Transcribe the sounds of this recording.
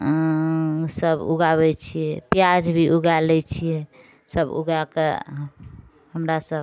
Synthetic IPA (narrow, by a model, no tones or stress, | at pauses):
səbṵɡaβɛt͡ʃʰijɛpjad͡ʒbʱiʔuɡalɛt͡ʃʰijɛ | səbṵɡakḛ | həmɾasəb